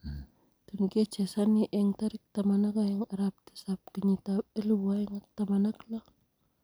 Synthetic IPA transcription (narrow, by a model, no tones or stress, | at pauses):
t̪unkiat͡ʃesaniʔɛŋt̪aɾik̚t̪amanakajaŋaɾap̚t̪i̥sap̚kəɲit̪aeluwuajŋak̚t̪amanakla